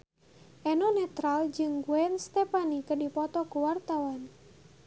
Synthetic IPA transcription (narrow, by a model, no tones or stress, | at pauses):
ʔɛnɔnɛt̪ɾald͡ʒɨŋɡuɛnst̪ɛpanikədipɔt̪ɔkuwart̪awan